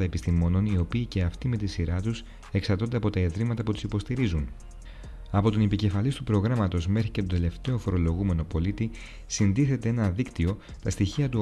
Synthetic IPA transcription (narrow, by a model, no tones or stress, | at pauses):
ɐe̞pist̪imo̞no̞nio̞piːce̞ɐft̪ime̞t̪isiɾɐt̪us | eksɐɾt̪ond̪ɐpo̞t̪ɐeðɾimɐt̪ɐput̪i̥sipo̞st̪iɾizun | ɐpo̞t̪onepice̞fɐlist̪upɾo̞ɣɾɐmɐt̪o̞zme̞xɾice̞t̪ot̪e̞le̞ft̪e̞o̞fo̞ɾo̞lo̞ɣume̞no̞po̞lit̪i | sind̪iθe̞t̪e̞enɐðikt̪io̞ | t̪ɐst̪içiɐt̪u